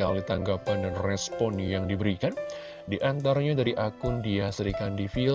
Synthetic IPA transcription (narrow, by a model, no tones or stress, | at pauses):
a̰lit̪aŋɡapandanrɛspɔnjaŋdibəɾikan | diʔant̪aɾaɲadaɾiʔakʊndiasəɾikandifi